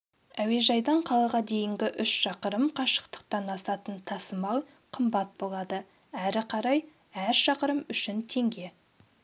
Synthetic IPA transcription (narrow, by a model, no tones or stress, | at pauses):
æwe̞ʒɑjd̪ɑɴqʰɑlˠɑʁɑd̪e̞jɪŋɡʲɪʔʏʃʃɑqəɾəmqʰɑʃə̥qt̪ə̥qt̪ɑnɑsɑt̪ənt̪ʰɑsəmɑlˠ | qʰəmbɑt̪̚bo̞lˠɑd̪ə | æɾɪqʰɑɾɑj | æɾʃɑqəɾəmʏʃɪnt̪ʰe̞ŋɡʲe̞